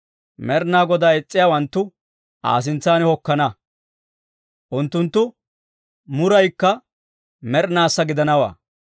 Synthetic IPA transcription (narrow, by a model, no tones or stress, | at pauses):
mɛɾnaːɡɔd̪aːɛt͡sʼːɪjaːwɐnt̪ːʊ | a̰ːs̬ɪnt͡sːaːnɪhɔkːɐnɐ | ʔʊnt̪ːʊnt̪ːʊ | mʊɾɐjkːɐ | mɛɾnaːsːɐɡɪd̪ɐnɐwa̰ː